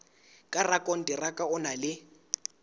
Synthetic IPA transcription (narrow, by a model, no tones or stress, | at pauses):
kʼarakʼɔn̩dɪrakʼaʊnalɪ